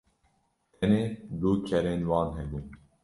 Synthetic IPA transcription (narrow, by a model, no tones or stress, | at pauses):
t̪ʰɛneːd̪uːkʰɛɾeːnwɑːnɦɛbuːn